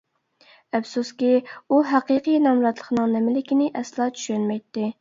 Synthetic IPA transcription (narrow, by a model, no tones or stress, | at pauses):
ɛfsuskʲiuɦæqiqʰɨjnɑmɾɑt̪lˠəχnɨŋnɛmɪlɪkʲinɪʔɛslˠɑːt͡ʃʰy̥ʃynmɛjt̪ːɪ